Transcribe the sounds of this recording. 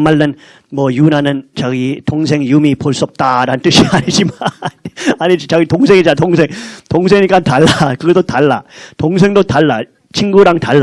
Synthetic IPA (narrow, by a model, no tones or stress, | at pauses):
maɭːɯn | mʌjunanɯnt͡ɕaɡitoŋsʰe̞ŋjumipoɭs͈uʌp̚t͈aɾanɯnt͈ɯɕʰiaɲid͡ʑimanaɲid͡ʑit͡ɕaɡitoŋs̬ʰeŋid͡ʑatoŋsʰeŋtoŋs̬ʰeŋiɲik͈antaɭːakɯɡʌdotaɭːatoŋs̬ʰe̞ŋdotaɭːa | t͡ɕʰinɡuɾaŋtaɭː